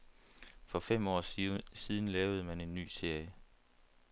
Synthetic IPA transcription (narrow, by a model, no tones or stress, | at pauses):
fɒ̽fem̰ɒ̰ːsiːð̞ˠn̩lɛːʊð̞̩ˠəmæne̝nːy̰ːse̝ɐ̰jə